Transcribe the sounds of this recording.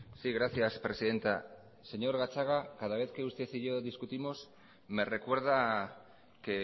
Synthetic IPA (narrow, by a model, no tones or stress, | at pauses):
siɣɾaθjaspɾe̞siðe̞nt̪a | se̞ɲoɾɣat͡ʃaɣ̞akaðaβ̞e̞θkeust̪e̞θiʝoðiskut̪imos | me̞re̞kwe̞ɾð̞a | ke